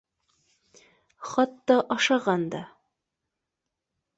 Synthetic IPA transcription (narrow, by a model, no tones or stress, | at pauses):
χɑt̪ːɑʔɑʃɑʁɑnd̪ɑ